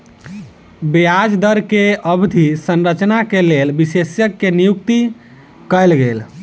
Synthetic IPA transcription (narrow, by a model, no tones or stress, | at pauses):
bijad͡ʒd̪əɾkeəbd̪ʱisənɾət͡ʃnakelelbisesjəkːenijukt̪i | kəjlɡel